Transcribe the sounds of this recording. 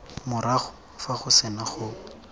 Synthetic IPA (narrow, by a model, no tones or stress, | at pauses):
mʊɾaχʊ | faχʊsɪnaχʊ